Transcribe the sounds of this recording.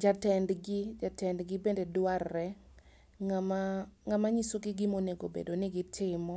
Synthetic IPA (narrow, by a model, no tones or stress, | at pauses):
d͡ʒatɛndɡɪd͡ʒatɛndɡɪbendedwarːɛ | ŋamaŋamaɲisoɡɪɡɪmoneɡo̰bḛdonɪɡɪtʰɪmɔ